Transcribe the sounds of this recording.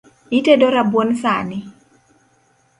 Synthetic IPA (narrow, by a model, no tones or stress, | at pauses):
itedoɾabwonsanɪ